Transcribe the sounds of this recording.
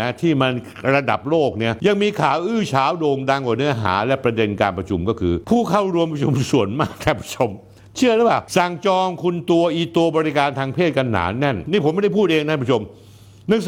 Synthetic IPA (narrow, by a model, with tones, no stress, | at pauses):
a˦˥t̪ʰiː˥˩ma˧n | ɾa˧da˨˩p̚loː˥˩k̚ni˦˥˩ɐja˧ŋmiː˧kʰaː˨˩˦wʔɯː˥˩t͡ɕʰaː˨˩˦wdoː˧ŋda˧ŋkwaː˨˩nɯ˦˥ɐɦa̰ː˩˦lɛ˦˥pɾa˧de˧nkaː˧npɾa˧t͡ɕʰu˧mkɔː˥˩kʰɯː˧pʰuː˥˩kʰa˥˩wɾu˧əmpɾa˧˩t͡ɕʰu˧msu˨˩ənmaː˥˩k̚t̪ʰa˥˩pʰɾḁ˧˥t͡ɕʰo˧m | t͡ɕʰɯ˥˩ɐla˦˥waː˧˥˩wsa˨˩ŋt͡ɕɔː˧ŋkʰu˧nt̪u˧ɐʔiː˧˩t̪u˧ɐbɔː˧ɾi˦˥kaː˧nt̪ʰaː˧ŋpʰeː˥˩t̪̚ka˧nːa̰ː˩˦˥nːɛ˥˩nniː˥˩pʰo˩˦m˥˩da˥˩pʰuː˥˩t̪̚ʔeː˧ŋt̪ʰa˥˩pːʰo˧m | na˥˩ŋ